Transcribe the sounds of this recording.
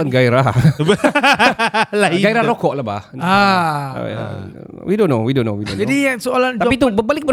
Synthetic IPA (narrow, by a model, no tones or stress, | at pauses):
anɡaiɾahb | laɡajɾahlokɔʔlaba̰ha̰ | a̰ | widõnːowidõnowidõnd͡ʒadiasoaland͡ʒ̪apit̪ubəbalɪk̚bə